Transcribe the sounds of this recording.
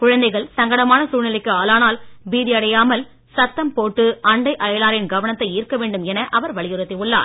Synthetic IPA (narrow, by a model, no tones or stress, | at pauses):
kʊɻɐnd̪ɐɪɣɐɭsɐŋɡɐɽɐmaːnɐsuːɻnɪlɪkːɯaːlaːnaːlbiːðɪɐɽɐjaːmɐl | sɐt̪ːɐmpoːʈːɯɐɳɖɐɪʔɐjɐlaːɾɪnɡɐʋɐnɐt̪ːɐɪiːɾkːɐʋeːɳɖɯmɛnɐʔɐʋɐɾʋɐɭɪjɯɾɐt̪ːɪʊɭːa̰ːɾ